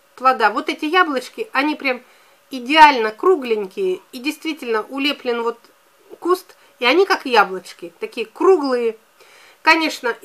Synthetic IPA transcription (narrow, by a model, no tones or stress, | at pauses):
plˠɐd̪avo̞t̪ɛtʲɪjablˠət͡ɕkʲɪʔɐnʲipɾʲam | ɪdʲɪalʲnəkɾuɡlʲɪnʲkʲɪjəidʲɪjst̪vʲitʲɪlʲnəʔʊlʲeplʲɪnvo̞t̪ | kust̪ | iɐnʲikakjablˠət͡ɕkʲɪt̪ɐkʲijəkruɡlˠɨjə | kɐnʲe̞ʂnə